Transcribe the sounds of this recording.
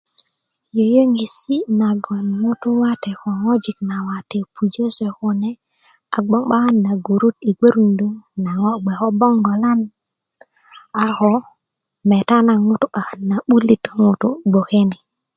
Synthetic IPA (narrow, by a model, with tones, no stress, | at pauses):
jo˨jo˦ŋi˨si˦na˨ɡo˨nŋu˦tu˦wa˦te˨ko˨ŋo˦d͡ʒi˨kna˨wa˨te˨pʰu˨d͡ʒe˦se˨ku˨ne˦ | a˨ɡ͡bo˦ŋɓa˦ha˦nːa˨ɡo˨ɾu˦ti˨ɡe˦ɾu˨ndu˦ŋna˨ŋo˦ɡ͡be˨xo˦bo˦ŋɡo˨la˦n | a˨xo˦ | me˨ta˦na˨ŋu˦tu˦ɓa˨xa˨nːa˨ɓu˦li˦to˦ŋu˨tu˦ɡ͡bo˨ke˦ni˨